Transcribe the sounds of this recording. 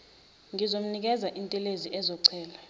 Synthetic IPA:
ŋizom̩nik̬ʼɛzaʔintʼɛleziʔɛzɔǀʰɛːla

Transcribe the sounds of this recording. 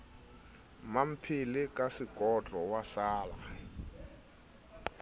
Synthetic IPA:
mam̩pʰilɪkʼasikʼɔtʼɔwasaːla

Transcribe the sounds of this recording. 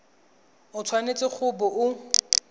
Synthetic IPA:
ʊt͡sʰwanet͡sʼɪk͡xʰʊbɔʔʊ

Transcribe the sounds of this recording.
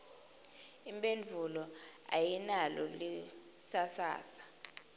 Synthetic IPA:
imbʼend͡ɮʱulɔ | a̰jinalɔ̰li | sasa̰ːsḁ

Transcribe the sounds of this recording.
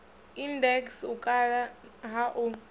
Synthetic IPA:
indɛksukʼalaɦaʔu

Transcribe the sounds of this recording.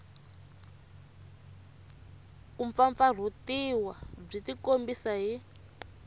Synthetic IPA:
kuɱfaɱfar̤otiwab͡ʐitikombisaɦi

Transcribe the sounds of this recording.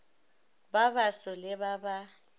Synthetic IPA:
baβasɔlɪβaba

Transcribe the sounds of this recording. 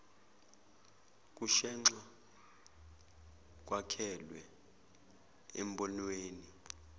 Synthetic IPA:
k̬ʼuʃɛŋ͡ǁa | k̬ʼwakʰɛlwɛ | em̩bɔnweːni

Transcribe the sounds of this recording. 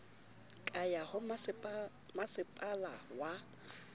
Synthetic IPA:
kʼajahʊm | masɪpʼalawa

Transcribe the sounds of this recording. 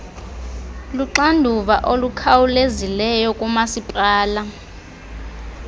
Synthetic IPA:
luǁandʱuɓaʔolukʰawulezilɛjɔkʼumasipʼaːla

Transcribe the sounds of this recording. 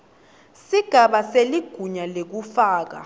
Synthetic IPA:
siɡ̥ʱaɓaseliɡ̥ʱuɲalek̬ufaːk̬a̰

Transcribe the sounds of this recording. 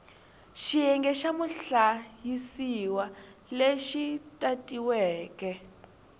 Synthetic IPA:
ʃijɛŋɡɛʃamuɬajisiwaleʃitʼatʼiwɛːkɛ

